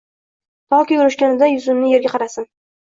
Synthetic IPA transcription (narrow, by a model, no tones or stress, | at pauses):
t̪ʰɒkʲɪjʊɾʊʃkʲanɪd̪ajʊzʊmnɪje̞ɾɡʲaqʰɑɾasɪn